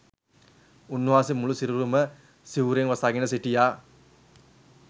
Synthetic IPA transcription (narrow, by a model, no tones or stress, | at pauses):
unːuʋaːsimːuɭusiɾuɾumɐ | siʋɾɐŋʋɐsaːɡinɐsiʈːijaː